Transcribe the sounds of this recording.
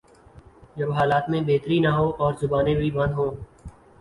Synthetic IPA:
d͡ʒəbɦaːlaːt̪mẽːbeːt̪ɾiːnaɦoːʔɔːɾzʊbaːnẽbʱiːbə̃nd̪ɦõː

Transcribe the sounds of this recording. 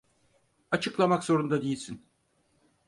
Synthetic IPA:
at͡ʃʰɯklˠamakzo̞ɾund̪ad̪ejilʲsin

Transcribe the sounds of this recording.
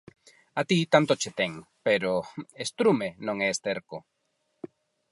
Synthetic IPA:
at̪it̪ant̪ot͡ʃet̪eŋpeɾoest̪ɾumenõŋest̪eɾko

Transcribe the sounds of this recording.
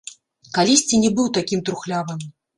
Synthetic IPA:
kalʲisʲt͡sʲinʲɛbɨwt̪akʲimt̪ɾuxlʲavɨm

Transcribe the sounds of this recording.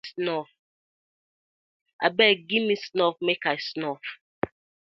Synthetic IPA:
snɔf | a̰bɛɡimisnɔfmekaɪsnɔf

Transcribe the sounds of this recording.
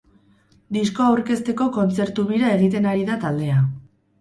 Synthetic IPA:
d̪isko̞awɾke̞st̪e̞ko̞ko̞nt͡se̞ɾt̪uβiɾae̞ɣ̞it̪e̞naɾiðat̪ald̪e̞a

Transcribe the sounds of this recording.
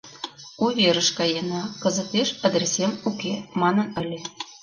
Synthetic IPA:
uvʲeɾə̆ʃkɑjenɑkɤ̆zɤ̆t̪eʃɑd̪rʲesʲemukʲemɑnɤ̆nɘ̆lʲĕ

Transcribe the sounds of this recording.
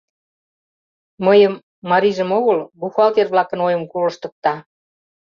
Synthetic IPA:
məjəmː | ɑɾiʒəmoɣəlbuxɑlk̪erβlɑkənojəmkolɤ̆ʃt̪ə̆k̚t̪ɑ

